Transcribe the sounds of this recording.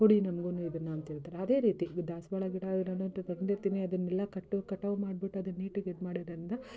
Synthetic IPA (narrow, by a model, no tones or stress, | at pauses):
ɦoɽinɐmɐɡunuid̪ɐnːaːnt̪iɭt̪aːɾeɐd̪e̞ːɾiːt̪id̪aːsbɐɭɐɡiɽanɐnunt̪ɐt̪ɐnd̪iɾt̪iːniɐd̪ɐnːɛlːɐkɐʈːɐkɐʈːɐʋɐmaːɖ̚biʈːuɐd̪ɐnːiːʈuɡed̪maːɽiɾɐnd̪ɐ